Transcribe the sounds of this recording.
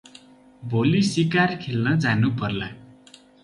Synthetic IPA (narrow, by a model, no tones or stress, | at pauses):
bʱolisikarkʰelnʌd͡zanupʌrla